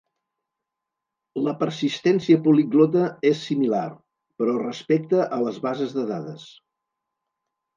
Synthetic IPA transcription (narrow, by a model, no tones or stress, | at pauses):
ləpəɾsist̪ɛnsiəpuliɡlot̪̬əesːimilar | pəɾɔrəspɛk̚t̪əʔələzβazəzðəðaðəs